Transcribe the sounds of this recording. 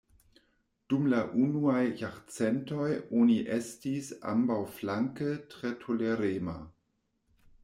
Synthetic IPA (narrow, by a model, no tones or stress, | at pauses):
d̥umlaʔunuajjaʁt͡sentojoniʔestisa̰mbawflaŋkətʁetʰoleɾeːma̰